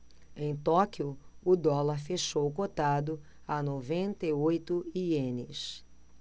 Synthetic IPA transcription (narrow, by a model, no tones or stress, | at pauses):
ẽj̃t̪ɔkiʊʊd̪ɔlɐɾfeʃowkot̪ad̪ʊ | anovẽnt̪ɐiojt̪ʊiẽnɪ̰s